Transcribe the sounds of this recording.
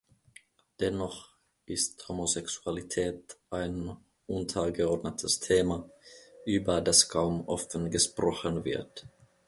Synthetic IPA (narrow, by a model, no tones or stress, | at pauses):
d̪̥ɛnːɔχ | ʔɪsthomosɛksu̥alit̪ʰɛːt̪ʔaɪn | ʔʊnt̪ʰəɡəɔdnət̪ʰəst̪ʰeːmaʔyːbɐdaskʰaʊmʔɔfənɡəʃpɾɔχənvɪ̰ɐt